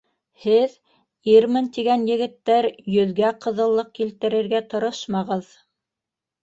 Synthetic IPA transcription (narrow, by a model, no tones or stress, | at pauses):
hɘð | iɾmɘnt̪iɡænjɘ̆ɡɘ̆t̪ːæɾjɵ̆ðɡæqɤ̆ðɤ̆lˠːɤq̚kilt̪ɘ̆ɾɘ̆ɾɡæt̪ŏɾoʃmɑʁɤð